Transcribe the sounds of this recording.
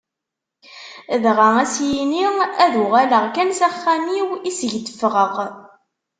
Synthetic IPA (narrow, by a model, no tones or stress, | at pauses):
ðʁaæsjiniæðuʁæləʁkænsæχːæmiwisʝd̪əfʁəʁ